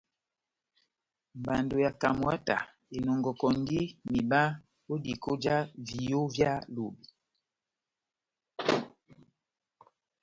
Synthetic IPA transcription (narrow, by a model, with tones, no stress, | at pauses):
m˨ba˨ndo˨ja˨ka˨mwa˦ta̰˨ | e˨nɔ˨ŋɡɔ˨kɔ˨ŋ˦ɡi˦mi˨ba˦ | wo˦di˨ko˦d͡ʒa˦vi˨jo˦vja˦lo˨bi˨